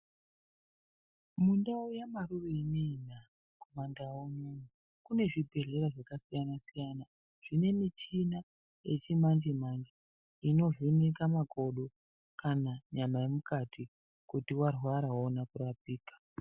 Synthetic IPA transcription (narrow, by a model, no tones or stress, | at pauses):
mundaojamaruroineiɲa | komandaoɲonu | kune̞ʐibʱe̞ɮe̞ɾaʐakasijanasijana | ʐ̥ine̞mit͡ʃina | je̞t͡ʃimand͡ʒimand͡ʒi | ino̞ʐinekamakʰoɗo | kʰanaɲamajemukatʰi | kutiwarwaɾaɦonakurapiːkḁ